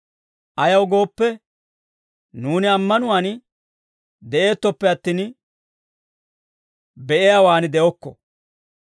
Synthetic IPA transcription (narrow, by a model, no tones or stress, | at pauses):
ʔɐjɐwɡo̞ːpːɛ | nuːnɪɐmːɐnʊwaːn | d̪ɛʔe̞ːt̪ːɔpːɛɐt̪ːiːn | bɛʔɛjawaːnɪd̪ɛʔɔkːɔ̰